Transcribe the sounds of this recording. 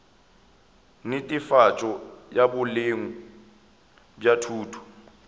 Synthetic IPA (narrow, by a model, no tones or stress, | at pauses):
nɪtʼifat͡ʃʼɔjabʊleŋu | bjatʰuːtʰu̥